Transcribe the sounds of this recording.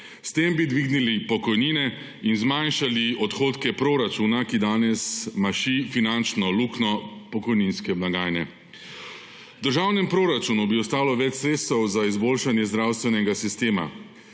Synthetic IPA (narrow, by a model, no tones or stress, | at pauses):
st̪embid̪ʋiːɡnilipɔkɔjniːnɛ | inzmanʃaliɔt̪xoːt̪kɛpɾoɾat͡ʃuːnakid̪aːnɛsmaʃifinant͡ʃnɔluknɔpɔkɔjninskɛmlaɡaːjnɛ | d̪əɾʒaːwnɛmpɾoːɾat͡ʃunubiɔst̪aːlɔʋɛt͡ʃsɾeːt̪st̪ɛwzaizboːlʃanjɛzd̪ɾawst̪ʋɛnɛɡasist̪eːma̰